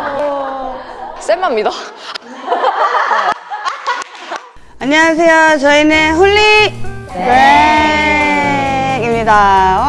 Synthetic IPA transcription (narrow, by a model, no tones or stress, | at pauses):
s͈emamɲida | aɲːʌwasʰe̞jot͡ɕʌineɸuɭːi | ne | imɲidao